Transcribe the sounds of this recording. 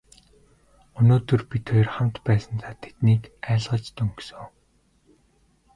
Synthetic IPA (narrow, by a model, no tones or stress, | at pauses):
ɵnoːt̪ɵ̆rpit̪ʰɔjɞ̆rχam̥t̪pæːsə̆nt̪ʰaːt̪ʰe̥t̪niːkæːɮʁə̆t͡ɕt̪ɵŋksɵː